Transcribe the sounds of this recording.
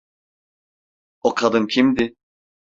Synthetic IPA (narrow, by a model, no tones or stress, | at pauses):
okʰad̪ɯmcʰimd̪ɪ